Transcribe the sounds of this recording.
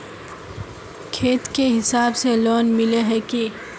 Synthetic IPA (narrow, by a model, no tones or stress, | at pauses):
kʰeːt̪keɦɪsaːbselɔːnmɪleɦɛke